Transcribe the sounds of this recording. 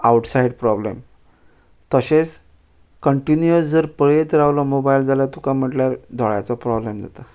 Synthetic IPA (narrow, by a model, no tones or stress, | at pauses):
awʈsaiɖpɾɔblḛm | t̪əɕes | kəɳʈinjəsd͡zəɾpəɭet̪ɾaʋlɔmobaild͡zalat̪ukam̤əʈljaɾd̪ʱɔɭjat͡sɔpɾɔblemd͡za̰t̪a